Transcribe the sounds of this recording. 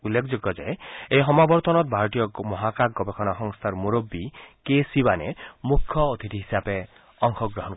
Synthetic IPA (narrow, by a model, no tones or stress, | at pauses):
ulːekʰɔd͡ʒoɡjɔd͡ʒa̰eejɦɔmabɔɾt̪ɔnɔt̪̚bʱaɾɔt̪ijɔmɔɦakaɡɔbekʰɔnaɦɔŋst̪ʰaɾmuɾobːikesibanemukʰːjɔot̪ʰit̪iɦisape | ɔŋkʰɔɡɾɔɦɔn